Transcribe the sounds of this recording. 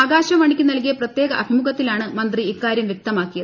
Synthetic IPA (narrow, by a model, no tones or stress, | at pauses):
aːɡaːɕɐʋɐɳikʲːɨnɐlk̬ijɐprɐt̪je̞ːɡɐʔɐbʱimuɣɐt̪ːilaːɳɨmɐnd̪riikːaːɾjɐmjɐk̚t̪ɐmaːkːijɐðɨ